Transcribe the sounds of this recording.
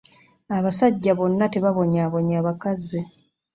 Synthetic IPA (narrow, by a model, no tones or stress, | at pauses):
aβasaɟːaβo̞nːate̞βaβo̞ɲaːβo̞ɲaːβakazi